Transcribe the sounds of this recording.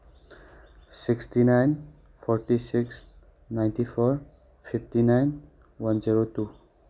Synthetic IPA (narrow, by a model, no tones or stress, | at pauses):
siksʈinajn | fʰɔɾʈisiks | naj̃ntifʰɔɾ | fʰifʈinajn | ʋənziɾotu